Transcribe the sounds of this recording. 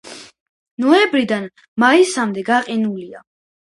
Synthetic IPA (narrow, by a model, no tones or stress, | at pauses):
nɔɛbɾid̪an | maisamd̪ɛɡaqʼinulia